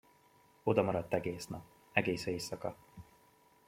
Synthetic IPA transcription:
o̞d̪ɒmɒɾɒt̪ːɛɡeːsnɒp̚ | ɛɡeːseːsɒkɒ

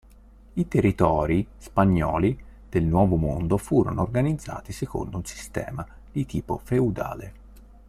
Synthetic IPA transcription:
it̪erːit̪ɔːɾispaɲːɔːli | d̪̥elnwɔːvomond̪ofuːɾo̰noːrɡanid̪zːa̰ːt̪iseko̰nd̪ounsi̥st̪ɛ̰ːma | d̪̥it̪iːpo̰feud̪a̰ːle

